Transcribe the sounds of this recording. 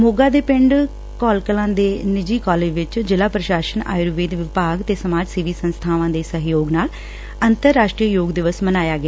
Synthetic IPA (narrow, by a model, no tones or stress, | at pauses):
moːɡaːd̪eːpɪɳɖ | kɔːlkəlãːd̪eːnɪd͡ʒiːkɔːleːd͡ʒʋɪt͡ʃd͡ʒɪlaːpɾəʃaːʃəna̰ːjɾʋiːd̪ʋɪpaːɡt̪eːsəmaːd͡ʒsiʋiːsənst̪ʰaːʋãːd̪eːsəɦjoːɡnaːl | ənt̪əɾːaːʃʈɾiːjoːɡd̪ɪʋəsmənaːjaːɡɪaː